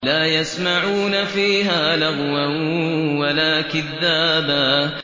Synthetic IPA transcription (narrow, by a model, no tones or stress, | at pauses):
laːjasmaʕuːnafiːɦaːlaɣwawalaːkɪðːaːbaː